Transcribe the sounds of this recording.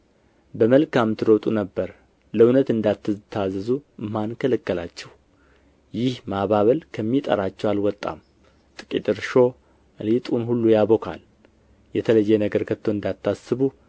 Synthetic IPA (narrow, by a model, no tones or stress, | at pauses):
bəməlkamt̪ʰɨɾəwt̪ʼunəbːəɾ | ləwnət̪ɨnd̪at̪ːɨzɨt̪ʰːazəzumːankʰələkːəlat͡ʃːɛw | jɪhmaβaβəlkʰəmːit̪ʼə̰ɾat͡ʃːɛwalwɔt̪ʼːa̰m | t̪ʼɨ̥kʼḭt̪ʼɨɾʃo̞ | əlit̪ʼunɦulːujaβokʰa̰l | jɛt̪ʰələjːɛnəɡəɾkʰət̪ʰːoɨnd̪at̪ʰːasɨβu